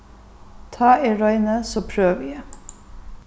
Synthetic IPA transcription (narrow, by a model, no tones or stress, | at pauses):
t̪ʰɑːeːɹœʏnəsoːpʰɾøːʋe